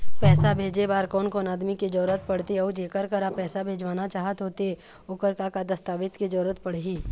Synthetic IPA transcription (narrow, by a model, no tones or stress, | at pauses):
pɛːsabʱeːd͡ʒebaːɾkɔːnkɔːnaːd̪miked͡ʒəɾɾət̪̚pɐɽt̪eɔːd͡ʒeːkəɾkəɾapɛːsabʱeːd͡ʒʋaːnat͡ʃaːɦət̪ɦoːt̪ee | ʊkəɾkakad̪ɐst̪aːʋɪt̪ked͡ʒɐɾɾət̪pɐɽ̤ɦiː